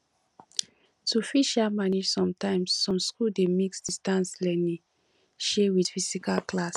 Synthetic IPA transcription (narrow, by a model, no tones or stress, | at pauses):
tufiʃamanid͡ʒsɔ̃mtãɪ̃msːɔ̃mskuldemiksdistãnslɛnĩ | ʃewidfisikalklas